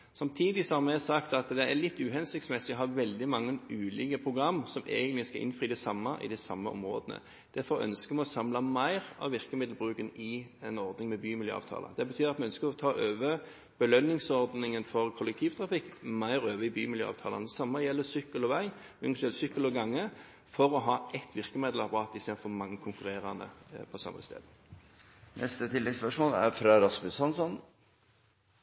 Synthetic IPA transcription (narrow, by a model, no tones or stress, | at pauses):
sɑmt̪ʰiːd̪ɪsɔhɑɾmɛɛsɑkt̪ɑt̪d̪ɛæɾlɪt̪ːʉːɦɛnsɪk̚t̪smɛsɪɔɦɑɾʋɛld̪ɪmɑŋːənʔʉːlɪːkəpʰɾʊɡʁɑmːsɔmḛːɡənt̪lɪskɑʔɪ̰nfʁiːd̪ɛsɑmːəʔɪ̰d̪ɛsɑ̰mːə̰ʔɔ̰mʁo̰ːd̪ənə̰ | d̪̥æɾfɔɾœ̰nskəmɛɔsɑmlɑmæɪʁɑ̰ʋʋɪʁkəmɪd̪l̩bʁʉːkənɪɛnɔɾd̪nɪŋmɛbyːmɪljø̰ːɑ̰ːʋt̪ʰɑ̰ːlə̰d̪ɛbət̪ʰyːɾɑt̪mɛœnskəɾɔt̪ʰɑːʔøːʋə | b̥əlœnːɪŋsɔʁd̪nɪŋənfɔʁkʰʊləkt̪ʰiːʋt̪ʰʁɑfɪkːmæɪʁøːʋəɪbyːmɪljø̰ːɑ̰ːʋt̪ʰɑːlɑnsɑmːəjɛlːəsʏkːəlɔʋæɪʉŋʂɛlsʏkːəlɔɡɑŋːə | fɔʁɔɦɑːʔɛt̪ʰːʋɪʁkəmɪd̪l̩ɑpɑʁɑːt̪ɪst̪eːd̪̩fɔmɑŋːəkʰʊŋkʉʁeːʁɑnə̰pʰɔsɑ̰mːə̰st̪ḛːd̪ə | nʔɛ̰st̪ət̪ʰɪlːɛɡspœʂmoːlæ̰ɾfɾɑɾɑsbʉsɑnsɔn